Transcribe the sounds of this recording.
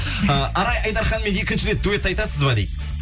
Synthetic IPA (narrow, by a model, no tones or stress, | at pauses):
əʔɑɾɑjɑjd̪ɑɾχɑnme̞nje̞kʲɪnʃɪɾe̞t̪̚d̪uwet̪ːɑjt̪ɑsəzbɑd̪ejd̪